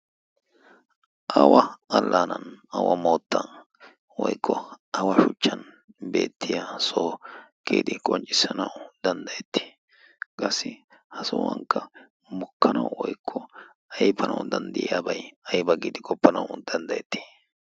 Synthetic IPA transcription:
ʔɐwɐɐlːaːnɐnɐ̰wɐmo̞ːt̪ːɐ | wɔjkʰːɔɐwɐʃʊt͡ʃːɐn | be̞̰ːt̪ʰːɪjasoːkːḭːd̪ɪkʼɔnt͡ʃʼːɪsːɐnɐwd̪̥ɐnd̪ɐjɛt̪ːɪ̥ | kʼɐsːɪ | hɐsʊwɐ̰ŋkːɐ | mʊkʰːɐnɐwwɔjkʰːɔ | ɐjbɐnɐ̰wd̪ɐnd̪ɪjaːbɐjɐjbɐɡiːd̪ɪkʼɔpːɐnɐwd̪ɐnd̪ɐjɛt̪ːi̥

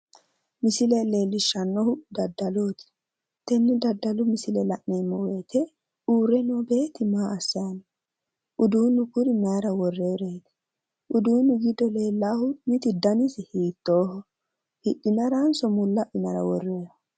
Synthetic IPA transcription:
mɪsɪlɛle̞ːlːɪʃːɐnːɔhʊd̪ɐd̪ːɐloːt̪ɪ̥ | t̪ɛnːɪd̪ɐd̪ːɐlʊmɪsɪlɛlɐʔneːmːɔweːt̪ʰɛ | uːɾɛnɔbe̞ːt̪ɪmaːɐsːɐɐn | ʔʊd̪uːnːʊkʊɾɪmaːɾɐwɔrːeːɾeːt̪ɛ̥ | ʔʊd̪uːnʊɡɪd̪ːɔle̞ːlːaːhʊnɪt̪ɪd̪ɐnɪsɪhiːt̪ːoːhɔ | hɪᶑɪnɐɾaːnsɔmʊlːɐʔɪnɐɾɐ̰wɔ̰rːeːɾɐ

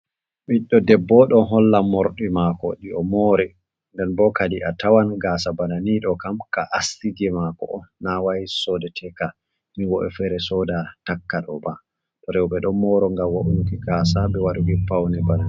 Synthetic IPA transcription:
ɓiɗːɔdɛbːɔɗɔɦɔlːamɔɾɗimakɔ̰ɗiɔmoɾɛ | ndɛnbɔkadiʔatawanɡaːsabananiɗɔkamkaʔastiɡɛmakɔ̰ʔɔnawajisɔdɛtʰɛka | miwɔʔɛfɛɾɛsɔdatakːaɗɔba | tɔɾɛwɓɛɗɔmɔɾɔŋɡawaʔunukiɡaːsaɓɛwaɗuɡipawnɛbanani

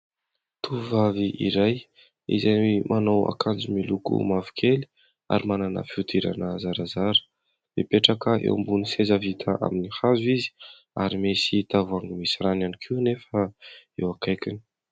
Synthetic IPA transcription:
t̪uvaviʔḭɾaj | ḭzanwimʔanowa̰kand͡ʒumilukṵmavi̥kʰeli̥ | a̰ɾimananə̰fiut̪ʰiɾa̰nəzaɾazaɾə̥ | d̪ḛpeʈ͡ʂakəḛwmbunisezavit̪ʰaʔa̰minihazwizi̥ | aɾimesit̪avuaŋimisiɾananikʰiwnefəewakajkini̥

